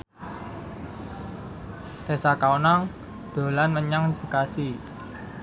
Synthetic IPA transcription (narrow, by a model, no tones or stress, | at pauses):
t̪e̤sakaunaŋ | d̪̥o̤lanməɲaŋbəkasi